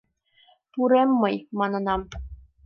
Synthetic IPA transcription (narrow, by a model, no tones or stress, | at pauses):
t̪uɾemːɤ̆jmɑnɤ̆nɑm